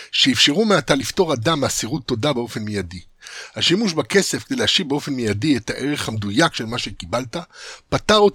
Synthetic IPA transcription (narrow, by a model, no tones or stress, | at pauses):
ʃeifʃeʁumeat̪alifto̞ʁadamːeasiʁut̪ːo̞dabeo̞fe̞nmejadihaʃimuʃbake̞se̞fked̪eleaʃivbeo̞fe̞nmijadiethaʔe̞ʁe̞χhamed̪ujakʃelmaʃe̞kibaltapataʁot